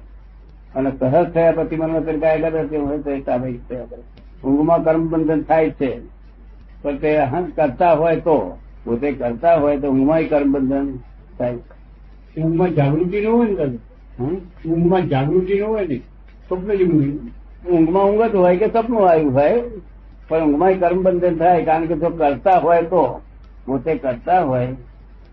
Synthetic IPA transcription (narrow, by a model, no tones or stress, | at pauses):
ənesəɦəst̪ʰəjapət̪imənʋãpeɾkajak̬əɾet̪eũəst̪ʰət̪aʋeit̪ʰəjakəɾe | ʊ̃ŋɡmãkəɾməbənd̪ʱənt̪ʰajt͡ʃʰe | pəɾt̪eɦə̃kəɾt̪aɦojt̪o | kot̪ekəɾt̪aɦoːjt̪oʊ̃ŋɡmãikəɾməbənd̪ʱən | t̪ʰaj | ʊ̃ŋɡmãd͡ʒaːɡɾuk̪inəɦoːjnkəd | ɦã | ʊ̃ŋɡmãd͡ʒaːɡɾukinəɦojne | sopmeɾiʊ̃ŋɡin | ʊ̃ŋɡmãʊ̃ŋɡət̪ɦojkesəbnũaːjũɦoe | pəɾʊ̃ŋɡmãikəɾmbə̃nd̪ʱənt̪ʰaːekaːə̃nked͡ʒokəɾt̪aɦoet̪o | ʋot̪ekəɾt̪aɦoːe